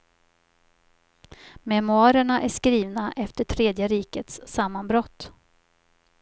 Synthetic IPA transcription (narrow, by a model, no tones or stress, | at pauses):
mɛmɵɑːɾəɳaʔæʂkɾiːvnaʔɛft̪əʈʰɾeːd̪jəɾiːkət̪sːamːanbɾɔt̪ː